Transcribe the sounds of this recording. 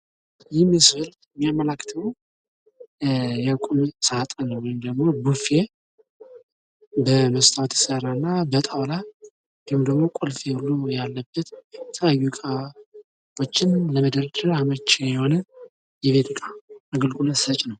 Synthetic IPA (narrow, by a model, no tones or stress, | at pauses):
jɪmːɛsfəlt̪ | mːijamːəlakːt̪ʰəw | jɛkʼumsat̪ʼənəwːɔjɪmd̪əɡmo̞bufe | bəməst̪ʰʼawt̪jɪsəranːabət̪ʼawla | ɔjɪmd̪əɡmo̞kʷʼolfehulːujalːəbːət̪t̪ʰəjajːukʼa | ot͡ʃːɪnləməd̪əɾd̪əɾamət͡ʃːejɛho̞nə | jɛβe̞t̪ʰɨkʼaəɡəlɡʼuləsət͡ʃʼnəw